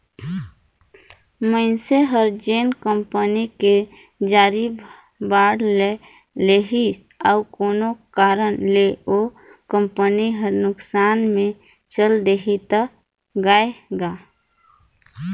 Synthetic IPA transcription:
mənseɦəɾd͡ʒeːnkəmpənike | d͡ʒaːɾi | baːɽle | leɦis | aukoːnokaːɾənleo | kəmpəniɦəɾnʊksaːnmẽ | t͡ʃəld̪eɦit̪ə | ɡaːeɡaː

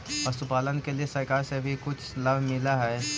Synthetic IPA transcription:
ʋɐst̪ʊpaːlənkeliesɐɾkaːɾsebʱikʊt͡ʃʰlɐbʱmɪlaɦɛː

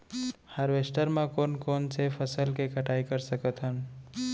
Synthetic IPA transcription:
həɾʋesʈəɾmẽkonkonsepʰəsəlkekəʈaikəɾsəkət̪ɦən

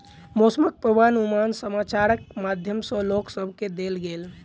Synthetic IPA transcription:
mosəmək̚pɾəbanumansəmat͡ʃaɾək̚mad̪ʱjəmsə̃loksəbʱked̪elɡel

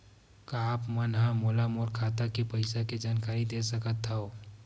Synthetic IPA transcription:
kaːpmənɦãmoːlamoːɾkʰaːt̪akepɐɪsaked͡ʒaːnkaːɾid̪eːsəkət̪aoː

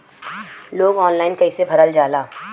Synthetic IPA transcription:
loːɡɔːnlaːɪnkɐisebʱɐɾəld͡ʒaːlaː

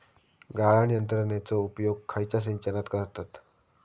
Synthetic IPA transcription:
ɡaɭaɳ̃ijənt̪ɾənjat͡sɔupjoɡ̚kʰːajt͡ɕas̬iɲt͡ɕənat̪kəɾt̪at̪

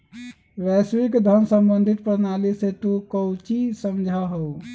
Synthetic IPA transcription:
ɾɛswikd̪ʱənsə̃mbənd̪ʱit̪̚pɾənaliset̪ukəwt͡ʃisəmd͡ʒʱaɦəu

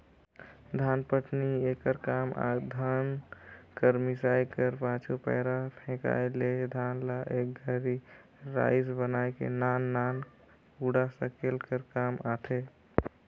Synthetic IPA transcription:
d̪ʱanpəʈʰniekəɾkama̰d̪ʱankəɾmisajkəɾpãt͡ʃʰupɛ̰ːɾapʰẽka̰eled̪ʱaːnlaʔek̚ɡʱəɾi | ɾa̰sbənajkḛnanːan | uɽasə̃kelkəɾkamat̪ʰe

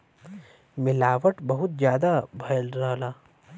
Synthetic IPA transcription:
mɪlaːʋəʈbɐɦʊt̪̚d͡ʒjaːd̪abʱɐlɾɐɦlaː

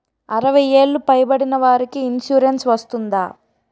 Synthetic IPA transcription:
ɐɾɐʋɐje̞ːɭːupɐjbɐɽinɐʋaːɾikiːnʃuːɾensʋɐst̪und̪a̰ː

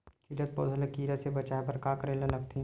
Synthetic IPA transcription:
kʰilət̪̚pɔ̰ːd̪ʱɐlɐkiːɾasebɐt͡ʃaːjpɐɾkaːkɾeːlɐlɐkʰt̪ʰĩ

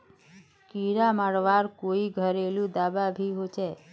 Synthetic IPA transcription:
kiɾamaɽʋaɾkoiɡʱəɾelũd̪ababʱiɦot͡ʃʰe

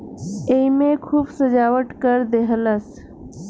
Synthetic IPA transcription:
eimẽːkʰuːbsəd͡ʒaːʋəʈkəɾd̪eɦələs

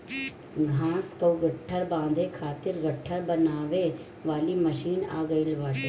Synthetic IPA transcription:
ɡʱãːskɐuɡɐʈʰːəɾbãːnd̪ʱekʰaːt̪ɪɾɡɐʈʰːəɾbɐnaːʋe | ʋaːlimɐʃiːna̰ːɡɐilʋaːʈe

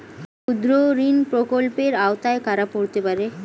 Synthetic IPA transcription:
kud̪ɾoɾinpɾokolpeɾaot̪aekaɾapoɾt̪epaɾe

